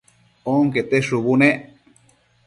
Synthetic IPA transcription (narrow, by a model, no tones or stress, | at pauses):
oŋket̪eʂuβune